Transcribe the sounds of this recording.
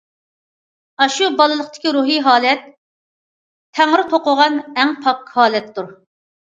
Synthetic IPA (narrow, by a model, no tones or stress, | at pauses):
ɑʃubɑlˠɨlˠəχt̪ʰɪ̥kʲiɾuɦiɦɑːlɛt̪ | ɛŋɨɾɪt̪ʰoqʊʁɑnɛŋpʰɑp̚kʰhɑːlɛt̪ːuɾ